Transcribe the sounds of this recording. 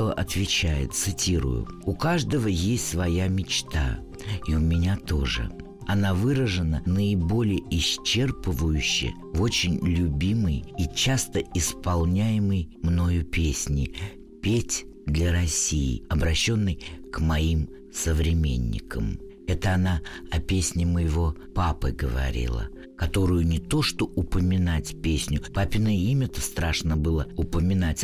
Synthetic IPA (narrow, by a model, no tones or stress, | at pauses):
oʔɐt̪vʲɪt͡ɕæjɪ̰t̪sɨtʲiɾʊ̰jʊ̰ʊkaʐd̪əvəjesʲtʲsvɐjamʲɪt͡ɕt̪a̰ | iʊmʲɪnʲat̪o̞ʐɨ̰ | ɐnavɨɾəʐɨnənəɪbo̞lʲɪjəɪst͡ɕːe̞rpəvʊjʉɕːɪ̰ | vo̞t͡ɕɪnʲlʲʊbʲimɨjit͡ɕast̪əɪspɐlˠnʲæjɪməjmno̞jʊpʲesʲnʲɪ | pʲetʲ | d̪lʲəɾɐsʲijɪ̰ɐbɾɐɕːo̞nːɨjkmɐim | səvɾʲɪmʲḛnʲːɪ̰kʰəm | ɛt̪əɐnaɐpʲesʲnʲɪməjɪvo̞papɨ̰ɡəvɐ̰ɾʲḭlˠə̰ | kɐt̪o̞ɾʊjʊnʲɪt̪o̞ʂt̪o̞ʊpəmʲɪnatʲpʲesʲnʲʊpapʲɪnəjəimʲət̪ə̥st̪ɾaʂnəbɨlˠəʊpəmʲɪnatʲ